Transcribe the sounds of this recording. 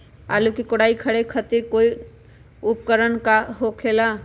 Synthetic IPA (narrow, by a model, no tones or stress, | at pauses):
a̰ːlukikoɽaːikʰəɽekʰət̪iɾkoːi | ʊpkəɾənkaɦokʰeːla